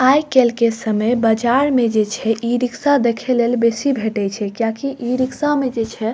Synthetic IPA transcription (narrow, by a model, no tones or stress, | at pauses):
ajkelkesəməjbəd͡ʒaɾmed͡ʒet͡ʃʰɛʔiɾiksad̪ekʰelelbesibʱeʈɛt͡ʃʰɛkjakiʔiɾiksamed͡ʒet͡ʃʰɛ